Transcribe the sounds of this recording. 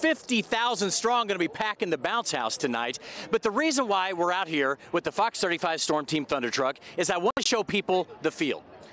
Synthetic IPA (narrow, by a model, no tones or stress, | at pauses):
fɪftiθaʊzɨ̃nd̥stɹ̥ɔ̃ŋɡʌnɨbipʰækɨ̃n̩ðɨbãʊ̃nshaʊstʰɨna̰ɪt̚b̥ʌt̪̚ðəɹizə̃nwaɪwɪɹaʊt̚hiɹwɨðəfɑksθɜ˞ɾifaɪv̥stɔɹmtʰĩmθʌ̃ndə˞tʰɹ̥ʌkɨzaɪwɑ̃nɨʃoʊpʰipl̩ˠðɨfḭlˠd̥̚